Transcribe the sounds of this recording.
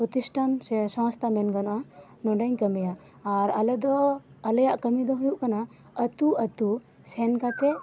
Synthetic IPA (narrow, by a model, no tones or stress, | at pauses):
pɾɔt̪isʈʰansɔ̃wst̪ʰamɛnɡanɔʔa | nɔɖaɲkəmijaʔː | ɾələd̪ɔ | ələjaʔkəmid̪ɔɦujuʔkana | ət̪uət̪u | sɛnkat̪ɛ